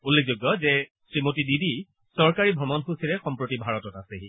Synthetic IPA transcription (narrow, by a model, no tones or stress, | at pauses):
ulːek̚zoɡːɔzɛ | sɹimotididi | sɔɹkaɹibʱɹɔmɔnxusiɹɛxɔmpɹotibʱaɹɔtɔtaseɦi